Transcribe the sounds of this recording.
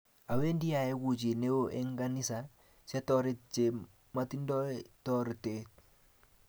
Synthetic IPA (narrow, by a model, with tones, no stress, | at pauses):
a˨we˦ndi˦a˨e˦ɡu˨t͡ʃi˨ne˦o˦ʔe˦ŋɡa˦ni˦sa˨ | sa˦tɔɾe˦t̚t͡ʃe˨ | ma˦ti˦ndɔ˦tɔ˦ɾte˨t̚